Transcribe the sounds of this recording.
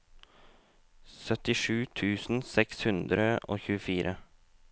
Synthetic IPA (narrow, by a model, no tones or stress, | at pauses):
sœt̪ɪʂʉːt̪ʰʉːsn̩sɛkshʉnd̪ɾəo̰ːçʉːəfiːɾʔə